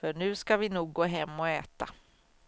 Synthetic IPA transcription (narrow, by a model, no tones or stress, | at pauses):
fœɳʉ̟ːskavɪnuːɡ̚ɡoːɦɛmːɔɛːt̪a